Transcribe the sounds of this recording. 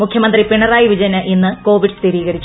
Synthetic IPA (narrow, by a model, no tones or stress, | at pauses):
mukʰjɐmɐnd̪ripiɳɐraːjiʋid͡ʑɐnɐʔinːɨko̞ːʋiɖst̪iɾiːɣɐɾit͡ɕː